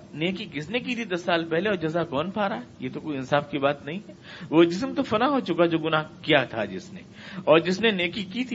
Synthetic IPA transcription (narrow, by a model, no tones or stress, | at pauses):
neːkikɪsnek̬it̪ʰid̪ɐsːaːlpɛɦleɔːɾd͡ʒɐzakɔːnpʰaːɾaɦɛjet̪okoːiɪnsaːfkibaːt̪nɐɦĩɦɛ | ʋod͡ʒɪs̬mt̪ofɐnaɦot͡ʃʊkad͡ʒoːɡʊnaɦkijat̪ʰa̰d͡ʒɪsnḛ | ɔːɾd͡ʒɪsneneːkikit̪ʰi